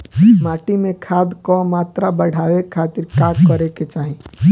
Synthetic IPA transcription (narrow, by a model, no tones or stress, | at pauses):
maːʈimẽkʰaːd̪komaːt̪ɾabəɽ̤ʱaːwekʰːaːt̪ɪɾkaːkːəɾeket͡ʃaːɦẽ